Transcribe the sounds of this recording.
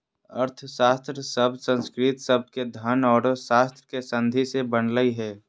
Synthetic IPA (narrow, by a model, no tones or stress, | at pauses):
əɾt̪ʰʃaːst̪ɾəsəbsə̃nskɾit̪səb̚ked̪ʱaːnɔːɾʃaːst̪ɾəkesə̃nd̪ʱisebənləiɦɛː